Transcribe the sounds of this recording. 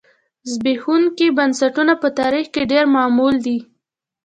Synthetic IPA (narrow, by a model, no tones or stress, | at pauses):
zbexuŋkibansaʈunapət̪ɑɾixkeɖeɾmɑmuld̪i